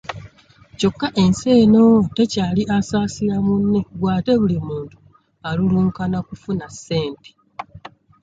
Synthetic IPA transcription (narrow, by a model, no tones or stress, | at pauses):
co̞kːaʔe̞nse̞ːno̞te̞caːliʔasaːsiɾamunːe̞ɡwaːte̞βulimuːntu̥ | aluluːŋkanakufunasːe̞ːnte̥